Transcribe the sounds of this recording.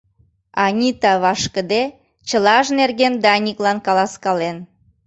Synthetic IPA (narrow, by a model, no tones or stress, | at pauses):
ɑnʲit̪ɑβɑʃkəd̪e | t͡ɕəlɑʒnerɣend̪ɑnʲiklɑnkɑlɑskɑlen